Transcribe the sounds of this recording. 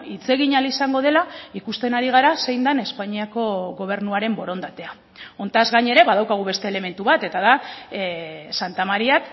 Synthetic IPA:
it͡se̞ɣiɲalisaŋɡo̞ð̞e̞laikust̪e̞naɾiɣ̞aɾase̞jnd̪ane̞spaɲiako̞ɣo̞β̞e̞ɾnuaɾe̞mbo̞ɾo̞nd̪at̪e̞a | o̞nt̪azɣaɲe̞ɾe̞βað̞awkaɣ̞uβe̞st̪e̞ːle̞me̞nt̪uβat̪e̞t̪aða | sant̪amaɾiak

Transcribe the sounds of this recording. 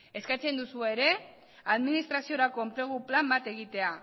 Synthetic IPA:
e̞skat͡se̞nd̪usue̞ɾe̞ | aðminist̪ɾasio̞ɾako̞emple̞ɣ̞uplambat̪e̞ɣ̞it̪e̞a

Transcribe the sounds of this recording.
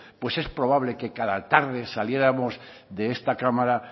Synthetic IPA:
pwe̞se̞spɾo̞β̞aβle̞ke̞kaðat̪aɾðe̞salje̞ɾamo̞zðe̞est̪akamaɾa

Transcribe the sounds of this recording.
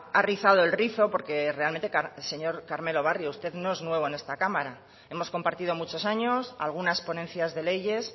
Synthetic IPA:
ariθað̞o̞e̞lriθo̞po̞ɾke̞re̞alment̪ekse̞ɲo̞ɾkaɾme̞lo̞βarjoust̪e̞ðno̞eznwe̞β̞o̞ene̞st̪akamaɾa | e̞mo̞sko̞mpaɾt̪ið̞o̞mut͡ʃo̞saɲo̞sa̰lɣ̞unaspo̞nenθjazðe̞le̞ʝe̞s

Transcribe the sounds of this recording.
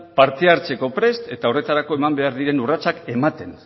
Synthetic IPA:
paɾt̪e̞aɾt͡se̞ko̞pɾe̞st̪e̞t̪ao̞re̞t̪aɾako̞emambe̞aɾðiɾe̞nurat͡sake̞mat̪e̞n

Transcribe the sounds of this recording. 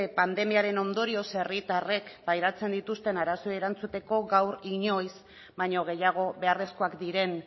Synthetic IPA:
pand̪e̞miaɾe̞no̞nd̪o̞ɾio̞se̞rit̪are̞kbajɾat͡se̞nd̪it̪ust̪e̞naɾaso̞ieɾant͡sut̪e̞ko̞ɡawɾiɲo̞js | baɲo̞ɣ̞e̞jaɣ̞o̞βe̞are̞sko̞akd̪iɾe̞n

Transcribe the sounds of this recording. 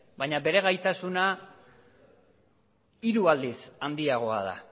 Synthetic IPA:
bajɲabe̞ɾe̞ɣajt̪asuna | iɾuald̪isand̪iaɣ̞o̞a̰ð̞a̰

